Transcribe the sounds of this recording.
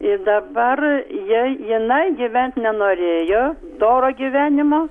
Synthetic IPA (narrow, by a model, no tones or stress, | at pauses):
ɪd̪ɐbɐrjɪjɪnɐɪɡʲɪʋʲɛnʲt̪ʲnʲɛnoːɾʲeːjoː | d̪oːɾoːɡʲiʋʲæːnʲɪmoː